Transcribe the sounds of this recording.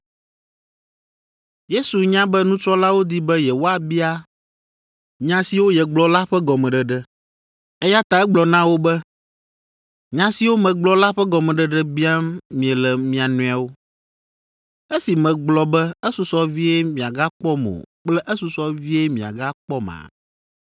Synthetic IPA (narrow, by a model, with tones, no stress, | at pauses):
je˦su˨ɲã˦bɛ˦nũ˦t͡ʃɾɔ˦la˦wo˦d̪i˦bɛ˦jɛ˨wo˦a˨bi˦a˦ | ɲã˨si˨wo˦jɛ˨ɡ͡blɔ˦la˦ɸɛ˦ɡɔ˨mɛ̃˨ɖɛ˨ɖɛ˦ | ɛ˦ja˦t̪a˦ɛ˦ɡ͡blɔ˨nã˦wo˦bɛ˦ | ɲã˦si˨wo˦mɛ̃˨ɡ͡blɔ˦la˦ɸɛ˦ɡɔ˨mɛ̃˨ɖɛ˨ɖɛ˦bi˦a˦mmĩ˨ɛ˨lɛ˨mĩ˨a˨nũ˦a˨wo˦ | ɛ˦si˨mɛ̃˨ɡ͡blɔ˨bɛ˦ɛ˦su˨sɔ˦vi˦ɛ˦mĩ˨a˨ɡa˦k͡pɔ˦mõ̰˨k͡plɛ˦ʔɛ˦su˨sɔ˦vi˦ɛ˦mĩ˨a̰˨ɡa˦k͡pɔ˦mã̰˨